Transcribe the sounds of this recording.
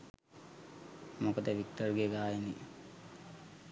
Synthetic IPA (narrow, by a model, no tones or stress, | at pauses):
mokəd̪əʋik̚ʈərɡeɡaːini